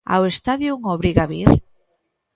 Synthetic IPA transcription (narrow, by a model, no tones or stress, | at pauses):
a̰west̪aðjuŋoβɾiɣaβiɾ